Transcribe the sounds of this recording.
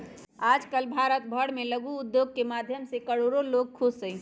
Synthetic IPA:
ad͡ʒkəlbʱaɾət̪bʱəɽmeləɡuːd̪joɡ̚kemad̪ʱjəmsekəɽoɾoloɡ̚kʰussəɪ

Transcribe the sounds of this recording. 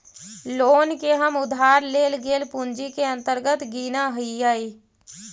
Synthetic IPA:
loːnkeɦəmʊd̪ʱaːɾleːlɡeːlpʊnd͡ʒikeə̃nt̪əɾɡət̪ɡiːnaɦəijaːi

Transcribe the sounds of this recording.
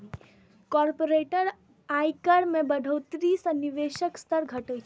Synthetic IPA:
kɔːɾpoɾeːʈəɾ | aːjkəɽmẽbəɖʱot̪ɾisənɪʋeːʃəkst̪əɾɡʱɐʈət͡ʃʰ

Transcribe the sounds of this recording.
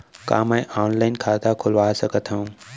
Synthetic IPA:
ka̰ːmãĩʔaːnlaːɪnkʰaːd̪akʰʊlʋaːsəkət̪ʰɦaũː

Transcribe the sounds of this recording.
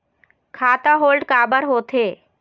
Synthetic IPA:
kʰaːt̪aɦoːlɖkaːbəɾɦoːt̪ʰeː

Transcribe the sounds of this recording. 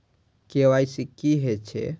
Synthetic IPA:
keʋajsikiɦet͡ʃʰḛ

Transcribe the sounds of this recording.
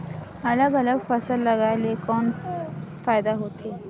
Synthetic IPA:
ɐləɡɐləɡfɐsəlːɐɡaːelekɔn | faːjd̪aɦot̪e

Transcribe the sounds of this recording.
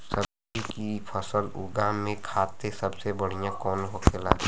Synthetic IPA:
səb̚ | d͡ʒikipʰəsəlʊ̰ɡãmẽkʰaːt̪esəbsebəɽ̤ijãkɔːnɦokʰelaː

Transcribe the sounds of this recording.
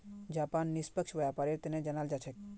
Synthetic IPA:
d͡ʒaːpaːnːispəkʃʋəjapaɾet̪enẽd͡ʒənaːld͡ʒat͡ʃʰek

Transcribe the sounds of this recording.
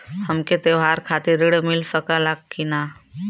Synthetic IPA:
hɐmket̪eʋɦaːɾkʰaːt̪eɾɪɽmɪlsəkalakʰːinaː

